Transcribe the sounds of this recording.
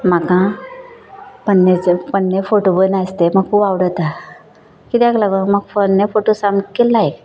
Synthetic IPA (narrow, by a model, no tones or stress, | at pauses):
makã | pənːet͡sepənːefoʈobənast̪eməɡkubawɽət̪a | kit̪aklaɡoməɡfənːefoʈosamkelːaek